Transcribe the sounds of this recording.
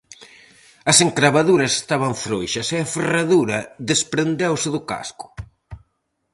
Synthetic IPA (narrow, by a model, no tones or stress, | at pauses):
ɐseŋkɾaβaðuɾɐse̥st̪aβɐɱfɾojʃɐseɐferaðuɾɐðespɾend̪ewsɪðʊka̰skʊ̥